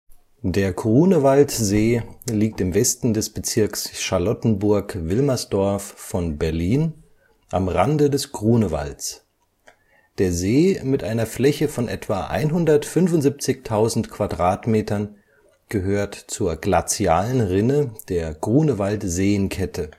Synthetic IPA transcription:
d̥eːɐɡʁuːnəvaltzeːliːk̚tɪmvɛstn̩dɛsb̥ət͡sɪɐksʃaɐlɔtn̩bʊɐkvɪlmɐsd̥ɔɐfːɔnbɛɐliːn | ʔamʁandədɛsɡ̥ʁuːnəva̰lt͡s | d̥eːɐzeːmɪtʔaɪnɐflɛçəfɔnʔɛ̰tv̥aʔa̰ɪnɦʊndɐtfʏnvʊntz̥ip̚t͡sɪçtʰaʊzn̩tkʰv̥adʁaːtmeːtɐn | ɡ̥əɦøːɐtt͡suːɐɡlat͡sjaːlənʁɪnəd̥eːɐɡ̥ʁuːnəvaltz̥eːənkʰɛtʰə

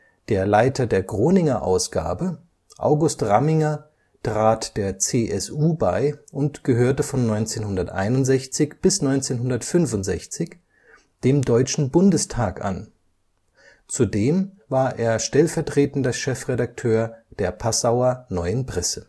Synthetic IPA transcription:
d̥eːɐlaɪtʰɐdeːɐɡʁoːnɪŋɐʔa̰ʊsɡ̥a̰ːbə | ʔa̰ʊɡʊstʁamɪŋɐ | tʁ̥aːtd̥eːɐt͡seːʔɛsʔuːbaɪʔʊntɡ̥əɦøːɐtəfɔnːɔʏnt͡seːnhʊndɐtʔa̰ɪnʊntz̥ɛçt͡sɪçb̥ɪsnɔʏnt͡seːnɦʊndɐtfʏnfʊntz̥ɛ̰çt͡sɪç | d̥eːmdɔʏt͡ʃn̩bʊndəstʰaːkʔa̰n | t͡sudeːmvaːɐʔeːɐʃtɛlfɛɐtʁ̥eːtn̩dɐʃɛfʁedak̚tʰøːɐd̥eːɐpʰasaʊɐnɔʏənpʁ̥ɛsə

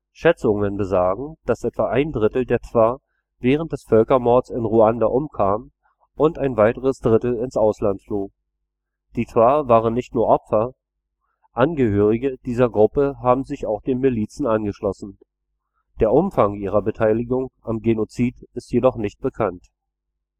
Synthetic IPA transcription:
ʃɛt͡sʊŋənbəzaːɡŋ̩d̥asʔɛtv̥aʔaɪndʁɪtl̩deːɐtv̥aɐ | vɛːʁ̞ənt̚d̥ɛsfœlkɐmɔɐt͡sɪnʁuandaʔʊmkʰaːm | ʔʊntaɪnvaɪtəʁəsd̥ʁɪtl̩ɪnsʔaʊslantfloː | d̥iːt͡sv̥aːvaːʁənːɪçtnuːɐʔɔpfɐ | ʔanɡəhøːʁ̞ɪɡəd̥iːzɐɡʁʊpəɦaːbm̩zɪçaʊxd̥eːnmɪliːt͡sn̩anɡəʃlɔsn̩ | d̥eːɐʔʊmfaŋʔiːʁ̞ɐbətʰaɪlɪɡʊŋʔamɡenot͡siːtɪstjedɔχnɪçt̚b̥əkʰant

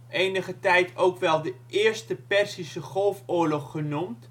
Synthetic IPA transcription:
ejnəχətɛjtʰowkʋɛlˠdəʔɪːɹstəpɛrsisəχɔlˠfʊːɹlɔχːənumt

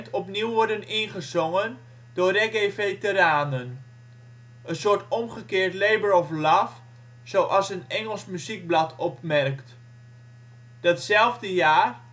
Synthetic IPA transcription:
tɔpniwʋɔɹdənɪnχəzɔŋən | dʊːreɡevejtəɾaːnən | ənsʊːɹtɔmχəkɪːɹtlejbəɹɔflaf | sowʔɑlˠsənɛŋəlˠsmyzik̚blɑtʰɔpmɛrkt | d̥ɑtsɛlˠvdəjaːr

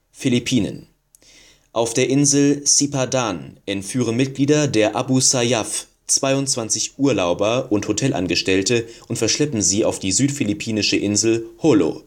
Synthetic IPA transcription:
filipʰiːnə̰n | ʔaʊfd̥eːɐʔɪnzl̩sipadanʔɛntfyːʁ̞ənmɪt̚ɡ̥liːdɐdeːɐʔabusajaf | t͡sv̥aɪʊntt͡sv̥ant͡sɪçʔuːɐlaʊbɐʔʊnthotʰɛlʔa̰nɡəʃtɛltəʔʊntfɛɐʃlɛpm̩ziːa̰ʊfd̥iːzyːtfilipʰiːnɪʃəʔɪnzl̩holo̰

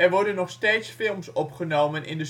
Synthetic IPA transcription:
ɛɹʋɔɹdənːɔχsteːtsfɪlˠmsɔpχənowmənʔɪ̰ndə

